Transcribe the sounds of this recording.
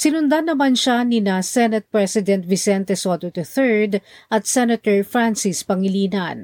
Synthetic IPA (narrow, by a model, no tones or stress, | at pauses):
sɪnʊnd̪anːɐmanʃanɪnɐsɛnɐt̪̚pɹɛsɪd̪ɛnt̪̚vɪsɛnt̪ɛsot̪ot̪ɛθɛɹd̪ʔɐt̪̚sɛnɐt̪ɛɹfɹansispɐŋɪliːnɐn